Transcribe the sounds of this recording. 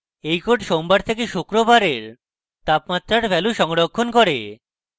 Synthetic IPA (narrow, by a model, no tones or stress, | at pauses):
ejkoʈʃombaɾt̪ʰekeʃukɾobaɾeɾ | t̪apmat̪ːɾaɾfɛluʃɔŋɽokʰːonkoɾe